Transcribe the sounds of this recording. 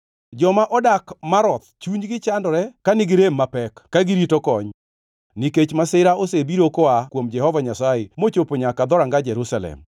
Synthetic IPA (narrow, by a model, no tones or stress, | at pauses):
d͡ʒɔmaʔɔdakmaɾɔt̪t͡ʃuɲɡɪt͡ʃandɔɾɛkanɪɡɪɾemːapɛkːaɡɪɾitokɔɲ | niket͡ʃmasɪɾaosebiɾokoakwomd͡ʒɛhɔvaɲasaemot͡ʃopoɲakad̪ɔɾaŋɡad͡ʒɛɾusalɛ̰m